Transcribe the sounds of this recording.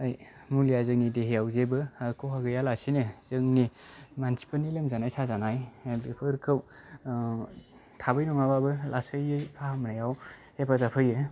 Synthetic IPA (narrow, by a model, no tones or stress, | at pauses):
ajmulijazɯŋnideɦejawzebɯkʰowhaɡɯjalasinɯz̥ɯŋnimansi̥panilɯŋzanajsʰazanajeblepʰɯɾkʰɯw | tʰabɯjnɔŋababɯlʔasɯjɯjpʰahamnajawhepʰazapʰɯjɯ